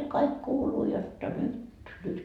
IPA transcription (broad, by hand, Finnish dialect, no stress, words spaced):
kɑik kuːluː jotːɑ nyt nyt